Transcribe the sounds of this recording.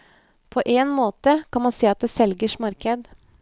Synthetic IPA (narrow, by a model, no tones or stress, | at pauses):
pʰoːʔeːnmoːt̪əkʰɑnmɑnseːɑt̪̚d̪eːsɛlɡəʂmɑɾkəd̪